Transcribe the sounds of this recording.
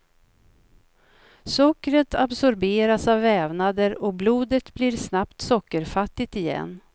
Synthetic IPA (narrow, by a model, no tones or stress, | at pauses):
sɔkːɾət̪ʰabsɔɾbeːɾasavːɛːvnad̪əɾɔbluːd̪ət̪bliɾsnapt̪sɔkːəɾfat̪ːɪt̪ɪjɛ̰nː